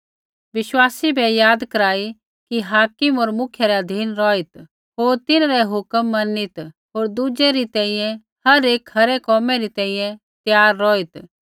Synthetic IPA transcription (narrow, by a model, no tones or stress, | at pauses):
ʋɪʃwaːsibʱɛjaːd̪kɐɾaːi | kiɦaːkɪmoːɾmʊkʰjɛɾɛɐd̪ʱiːnɾɔːit̪ | ɦoːɾt̪ɪnɾɛɦʊkəmːɐnːit̪ | ɦoːɾd̪ud͡ʒɛɾit̪ɛ̃ĩjɛ̃ | hɐɾeːkhɐɾɛkɔːmɛɾit̪ɛ̃ːĩjɛ̃ | t̪jaːɾːɔːit̪